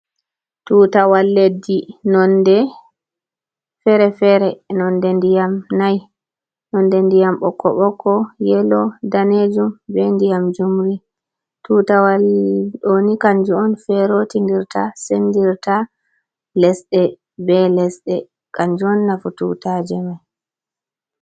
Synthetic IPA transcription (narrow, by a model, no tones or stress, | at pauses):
tutawalːedinɔndɛ | fɛɾɛfɛɾɛnɔndɛndijamnaj | nɔndɛndijamɓɔkʰːɔ̰ɓɔkʰːɔjɛlɔdaned͡ʒumbɛndijamd͡ʒumɾi | tuːtawalɗonikaɲd͡ʒuɔnfɛɾotindiɾtʰasendiɾta | lɛsɗɛ | bɛlɛsɗɛ | kaɲd͡ʒuɔnːafutṵtad͡ʒɛmaj